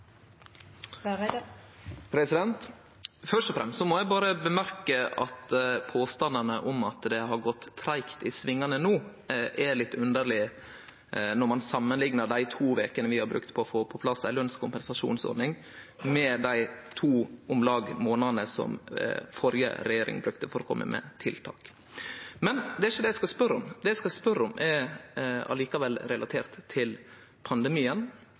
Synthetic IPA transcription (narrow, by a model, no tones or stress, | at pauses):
pʰɾɛsɪd̪ɛnt̪ | fœʂʈɔfɾɛmst̪sɔmɔjæɪbɑːɾəbəmæɾkəʔɑt̪pʰoːst̪ɑnd̪ənəʔɔmɑt̪d̪ɛɦɑɾɡɔt̪ʰːɾæɪkt̪ɪsʋɪŋːɑnənuː | ʔælɪt̪ʰːʉnd̪əɾɭɪ | nɔɾmɑnsɑmːənlɪŋnəɾd̪æɪt̪ʰuːʋeːkənəʋɪhɑɾbɾʉ̰kt̪pʰɔfoːpʰɔpʰlɑsːæɪlœnskʰʊmpɛnsɑʂṵːnsɔ̰ɾɖ̪nɪŋ | mɛd̪æɪt̪ʰuːʊmlɑːɡmoːnɑdnəsɔ̰mfɔɾjə̰ɾɛjeːɾɪ̰ŋbɾʉkt̪əfɔɾɔkʰɔ̰mːə̰mʔɛ̰t̪ʰɪlt̪ʰɑ̰ːk | mɛnd̪ɛæɪʃəd̪ɛæɪskɑspœɾːɔmd̪ɛæɪskɑlspœɾɔmʔɛɾ | ɑ̰liːkɑʋɛlːɾɛlʔɑt̪ʰeːɾt̪ʰːɪl | pʰɑnd̪əmiːən